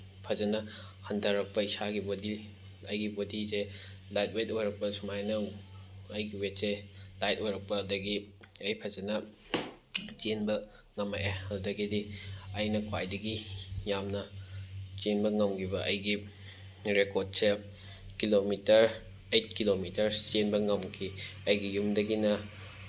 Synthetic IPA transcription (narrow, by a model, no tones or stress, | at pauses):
pʰɐzɐnɐhɐndʱɐɾɐk̚pɐisaɡibodi | ɐjɡibodise | lajt̚wetojɾɐk̚pɐsumajnɐwɐjɡiwetselajtojɾɐk̚pɐːdɐɡi | ɐjpʰɐzɐnɐ | t͡ʃenbɐ | ŋɐmajaɐdɐɡidiɐjnɐkʰwa̰jdɐɡijamnɐ | t͡ʃenbɐŋɐmɡʰibɐʔɐjɡi | ɾekod̚se | kilomitɐɾ | ejt̚kilomitɐɾt͡ʃenbɐŋɐmkʰiɐjɡijumdɐɡinɐ